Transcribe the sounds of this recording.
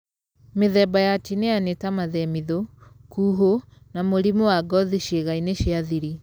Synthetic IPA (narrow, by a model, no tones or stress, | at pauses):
meðɛbajatineanetamaðɛmiðokuːɦonamoɾimowaɡɔðiʃeɣaineʃiaðiɾi